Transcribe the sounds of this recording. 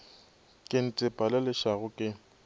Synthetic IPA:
kʼɪn̩t͡sʼɪpʼalɪlɪʃaɣʊkʼɪ

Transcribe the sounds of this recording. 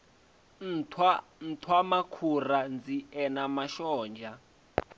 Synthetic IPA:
nʰ | n̩tʰwamakʰurand͡ziɛnamaʃɔːnd͡ʒʱa

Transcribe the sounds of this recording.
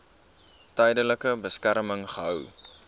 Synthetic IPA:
tɛjdələkəbəskæɾməŋχəɦœw

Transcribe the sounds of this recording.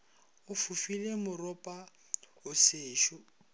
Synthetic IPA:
ʊfufilemʊrɔpʼa | ʊseːʃʊ

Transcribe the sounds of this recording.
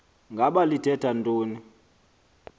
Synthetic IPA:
ŋɡʱaɓalitʰɛtʰantʼoːni

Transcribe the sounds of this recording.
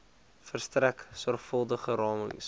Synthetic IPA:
fərstræksɔrχfəlˠdəχəɾɑːmə̰ŋs

